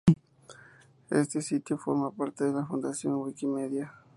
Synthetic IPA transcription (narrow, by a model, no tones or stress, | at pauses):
ḛst̪esit̪jofo̞̰ɾmapaɾt̪eðelafund̪asjo̞ŋwikimeðja